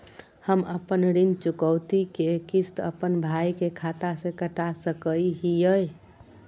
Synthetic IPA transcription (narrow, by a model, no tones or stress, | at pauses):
həməpənɾint͡ʃukəwt̪ikekist̪ə̰pənbʱaikekʰat̪asẽkəʈasəkəiɦijəj